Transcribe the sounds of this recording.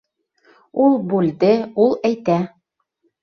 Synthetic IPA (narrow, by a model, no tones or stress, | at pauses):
ulˠbʉld̪ɘulˠæjt̪æ